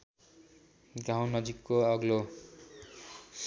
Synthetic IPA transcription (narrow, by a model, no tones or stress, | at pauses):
ɡaw̃nʌd͡zikːoʌɡlo